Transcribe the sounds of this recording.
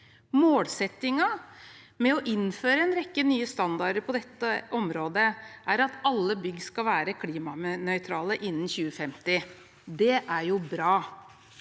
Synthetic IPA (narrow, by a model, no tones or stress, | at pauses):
moːlsɛt̪ːɪŋɑ | mɛɔʔɪnføːɾəɛnɾɛkːənyːəst̪ɑnd̪ɑɖəɾpʰɔd̪ɛt̪ːəʔɔmɾoːd̪əʔæɾɑt̪ɑlːəbʏɡskɑlʋæːɾəkʰliːmɑnœʏt̪ʰɾɑːləʔɪnːnçʉːəfɛmt̪ɪ | d̪ɛʔæɾjʊbɾɑː